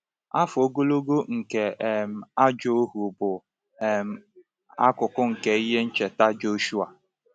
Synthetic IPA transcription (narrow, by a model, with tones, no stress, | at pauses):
a˦fʊ˨o˦ɡo˦lo˦ɡo˦ŋ̩˨ke˨m̩˨a˦d͡ʒo˦ɦu˨bʊ˨ | ɛ˨m̩˦ | a˦kʊ˨kʊ˦ŋ̩˨ke˨i˦ɦe˦n̩˦t͡ʃe˨ta˦d͡ʒo˦ʃu˦a˨